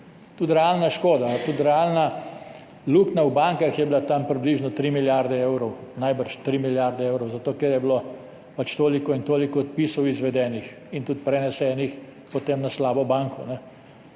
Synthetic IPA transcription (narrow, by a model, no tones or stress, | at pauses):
t̪ut̪ɾɛalnaʃkoːd̪at̪ut̪ɾɛalna | luknawbaŋkaxjɛbilat̪ampɾibliːʒnɔt̪ɾimiljaɾd̪ɛewɾɔwnajbəɾʃt̪ɾimiljaɾd̪ɛeːwɾɔwzat̪oːkɛɾjɛbilo | pat͡ʃt̪oːlikɔint̪oːlikɔːt̪̚piːsɔwizʋɛd̪ɛːnix | int̪ut̪̚pɾɛnɛsɛːnix | pɔt̪emnaslaːbɔbaŋkɔnɛ